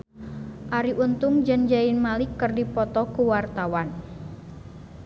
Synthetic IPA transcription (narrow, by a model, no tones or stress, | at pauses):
ʔaɾiʔunt̪ʊŋd͡ʒənd͡ʒainmalɪkːərdipɔt̪ɔkuwart̪awan